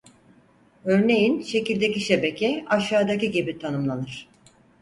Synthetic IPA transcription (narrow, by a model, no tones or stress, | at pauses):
ø̞ɾne̞jinʃe̞cilʲd̪e̞ciʃe̞be̞cʰɛaʃaːd̪aciɟibit̪ʰanɯmlˠanɯɾ̥